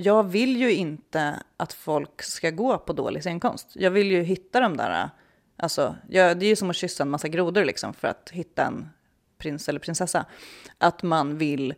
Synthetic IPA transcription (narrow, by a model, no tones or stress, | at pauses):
jɑːɡvɪljɵɪnt̪əʔat̪fɔlkskaɡoːpʰɔd̪o̰ːlʔɪseːnkʰɔ̰mst̪jɑːɡvɪljɵɦɪt̪ːad̪ɔmd̪æ̰ːɾa̰ | ʔa̰lsɔjɑːd̪ɛjɵsɔmɔɕʏsːanmasːaɡɾuːd̪ʊɾlɪ̰ksɔmfœɾa̰t̪ɦɪt̪ːaɛ̰n | pʰɾɪnsɛlːəɾpʰɾɪnsɛsːa̰ʔat̪manvɪl